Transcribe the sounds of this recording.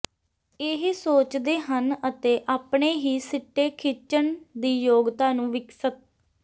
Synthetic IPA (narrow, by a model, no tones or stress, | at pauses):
ɪɦsoːt͡ʃd̪eːɦənət̪eːʔaːpɳeːɦiːsɪʈːeːkʰɪt͡ʃəɳd̪iːjoːɡt̪aːnũːʋɪksət̪̚